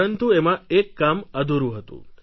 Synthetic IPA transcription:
ənt̪uemãekːaməd̪ʱuɾũɦət̪ṵ̃

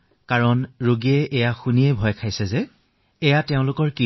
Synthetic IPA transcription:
kaɹɔnɹoɡiɛʔɛjaxunijɛbʱɔjkʰajsɛzɛː | jatɛʊ̃lʊkɔɹki

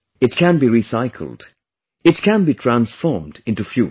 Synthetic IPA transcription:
ɨt̚kʰæ̃nbiɹisaɪkʰl̩ˠd | ɨt̚kʰæ̃nbitʰɹ̥æ̃nsfɔɹmdɪ̃ntufjṵ

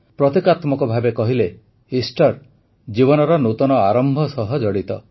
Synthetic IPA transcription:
pɾɔt̪ikat̪mɔkɔbʱabekɔɦile | isʈɔɾ | d͡ʒiβɔnɔɾɔnut̪ɔnɔaɾɔmbʱɔsɔɦɔd͡ʒɔɽit̪ɔ

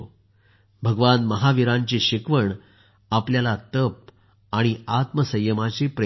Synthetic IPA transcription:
bʱəɡʋanməɦaʋiɾãɲt͡ɕiɕikʋəɳ | apljalat̪əp̚ | aɽ̃iat̪məsəjːəmat͡ɕipɾ

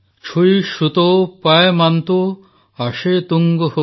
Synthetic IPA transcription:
t͡ʃʰujʃut̪opaemant̪o | aʃet̪uŋɡoho

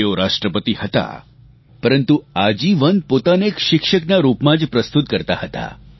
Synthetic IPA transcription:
eoɾaʂʈɾəpət̪ihət̪a̰ | pəɾənt̪uad͡ʑiːʋənpot̪anekɕikʂəknaɾupmad͡ʑpɾəst̪ut̪̚kəɾt̪aɦət̪a̰

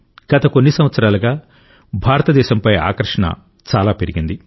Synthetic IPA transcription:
ɡ̥ɐt̪ɐko̞nːisɐmʋɐt̪sɐɾaːlɐɡaː | bʱaːɾɐt̪ɐd̪ɛːʃɐmpɐja̰ːkɐɾʂɐɳɐ̰ | t͡ʃaːlaːpeɾiɡind̪i

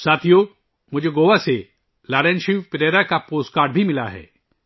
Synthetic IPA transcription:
saːt̪ʰijo | mʊd͡ʒʱeɡoːʋase | laːɾẽnʃiʋpɪɾeːɾakapoːsʈkaːɾɖbʱimɪlaɦɛ̰ː

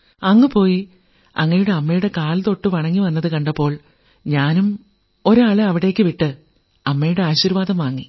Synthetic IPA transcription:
ɐŋːɨpo̞ːji | ɐ̰ŋːɐjuɽe̞ɐmːɐjuɽe̞kaːlt̪o̞ʈːɨʋɐɳɐŋːiʋɐnːɐðɨkɐɳɖɐpːo̞ːɭ | ɲaːnum | o̞ɾuɐɭɐɐʋiɽe̞ːkːɨʋiʈːɨ | ɐmːɐjuɽe̞aːɕiɾʋaːd̪ɐmʋaːŋːi

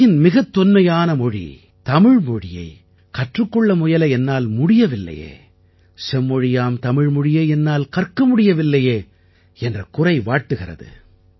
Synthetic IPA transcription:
ɪnmɪɣɐt̪ːɔnmɐjaːnɐmɔɻḭ | t̪ɐmɪɻmɔɻɪjɐ̰ɪ | kɐʈrɯkːɔɭːɐmʊjɐlɐɛnːaːlmʊɽɪjɐʋɪlːɐ̰jḛː | sɛmːɔɻɪjaːmt̪ɐmɪɻmɔɻɪjeːɛnːaːlkɐrkɐmʊɽɪjɐʋɪlːɐjeː | ɛndrɐkʊrɐɪʋaːʈːɯɣɪrɐ̰ðɯ̰

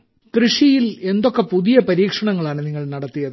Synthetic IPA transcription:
krɨʂijile̞nd̪o̞kːepuðijɐpɐɾiːkʂɐɳɐŋːɐɭaːɳɨniŋːɐɭnɐɽɐt̪ːijɐðɨ

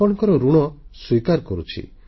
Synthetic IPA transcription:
ɔɽ̃ɔŋkɔɾɔɾuɽ̃ɔswikaɾkɔɾut͡ʃʰḭ

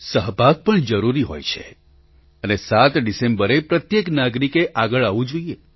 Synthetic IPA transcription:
səɦbʱaɡ̚pəɳd͡ʒəɾuɾiɦo̰jt͡ʃʰe̥̰ | ənesat̪ɖisẽmbəɾepɾət̪jeknaɡɾikeʔaɡəɭaʋũd͡ʒoije

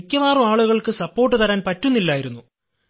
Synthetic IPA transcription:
ikʲːɐʋaːrumaːɭuɣɐɭkɨsɐpːo̞ːrʈ̬ːɨt̪ɐɾaːnpɐtːunːilːaːjiɾunːu

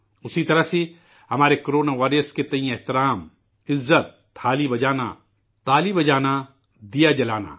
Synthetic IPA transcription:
ʊsit̪ɐɾəɦsi | hɐmaːɾekoɾoːnaːʋaːɾiəsket̪ɐĩjeɦt̪ɪɾaːm | ɪzːət̪ | haːlibɐd͡ʒaːna̰ | t̪aːlibɐd͡ʒaːna | d̪ijad͡ʒɐlaːna̰

